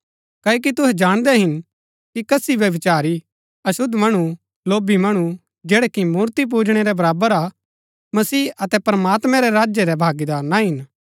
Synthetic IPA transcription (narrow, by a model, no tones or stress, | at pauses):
kɐːok̬it̪ʊɦɛd͡ʒaːɽ̃d̪ɛɦɪn | kikɐsiʋjɐʋɪt͡ʃaːɾi | ɐsʊd̪ʱmɐɽ̃u | loːbimɐɽ̃u | d͡ʒɛːɽɛkimuːɾt̪ip̬uːd͡ʒɽ̃eɾɛbɐɾaːbəɾa | mɐsiːɐt̪ɛpɾəmaːt̪mɛ̃ɾɛɾaːd͡ʒjɛɾɛbʱaːɡid̪aːɾnaɦɪn